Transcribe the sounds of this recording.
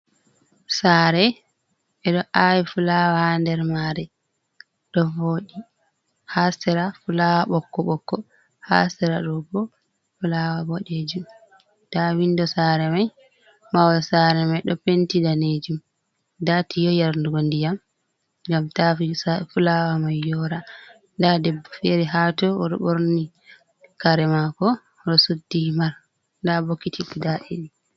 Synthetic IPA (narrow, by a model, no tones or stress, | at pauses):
saːɾɛ | ɛɗɔʔawifulawahandɛɾmaɾɛ | ɗɔvoːɗi | hasɛɾafulawaɓɔkːɔɓɔkːɔ | ha̰sɛɾaɗɔbɔ | fulawaboɗed͡ʒum | tawindɔsaɾɛmaj | mawɔlsaɾɛmajɗɔpentidaned͡ʒum | datijɔjaɾnduɡondijam | ŋɡamtafiafulawamajːɔɾa | ndadɛbɔfeɾɛɦatɔɔɗɔ̰boɾni | kaɾɛmakɔ | ɗɔsudːimaɾ | ndabokːitikudaɗiɗi